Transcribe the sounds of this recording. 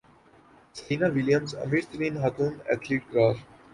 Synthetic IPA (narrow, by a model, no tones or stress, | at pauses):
sɐinaʋɪljəmzɐ̰miɾt̪ɾĩːnɦak̪ũːmɛ̰t̪ʰliːʈ̚ɡɾaːf